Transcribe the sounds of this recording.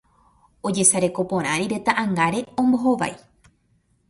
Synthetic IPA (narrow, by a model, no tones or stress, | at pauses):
o̞d͡ʒe̞saɾe̞ko̞põ̞ɾ̃ãɾiɾe̞t̪aʔãŋɡaɾe̞õ̞mbo̞ɦo̞ʋa̰j